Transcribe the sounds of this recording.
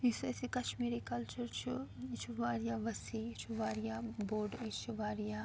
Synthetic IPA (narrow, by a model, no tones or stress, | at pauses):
isɛsikɐʃmiːɾikɐlt͡ʃɐɾt͡ʃʰut͡ʃʰuʋaːɾijaʋɐsit͡ʃʰuʋaːɾijaboːɾɖit͡ʃuʋaːɾija